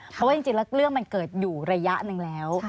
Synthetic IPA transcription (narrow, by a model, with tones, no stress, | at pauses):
pʰɔ˦waː˥˩i˧ŋ˩t͡ɕi˧ŋlɛ˦˥wklɯ˥˩əŋma˧nkɤː˨˩t̪̚juː˨˩ɾa˧ja˦˥ʔnɯ˧ŋlɛː˦˥w